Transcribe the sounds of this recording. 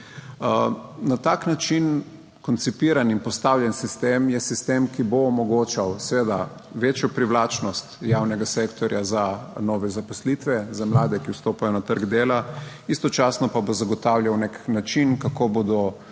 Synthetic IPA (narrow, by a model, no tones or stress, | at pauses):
nat̪aːknat͡ʃin | kɔnt̪sipiːɾaninpɔst̪awljɛnsist̪eːmjɛsist̪eːmkiboːmɔɡoːt͡ʃawsɛʋeːd̪a | ʋeːt͡ʃjɔpɾiwlaːt͡ʃnɔst̪jaːwnɛɡasekt̪ɔɾjazanɔːʋɛzapɔslit̪ʋɛzamlaːd̪ɛkiwst̪oːpajɔnat̪əɾɡd̪eːla | ist̪ɔt͡ʃaːsnɔpabozaɡɔt̪awljawneknat͡ʃinkakoːbod̪ɔ